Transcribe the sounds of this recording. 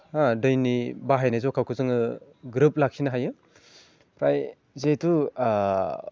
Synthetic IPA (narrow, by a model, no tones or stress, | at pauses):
adɯjnibaɦajnajzɔkʰawkʰɯzɯŋɯ | ɡɾɯp̚lak̚sʰinaɦajɯ | pɾaj | zetu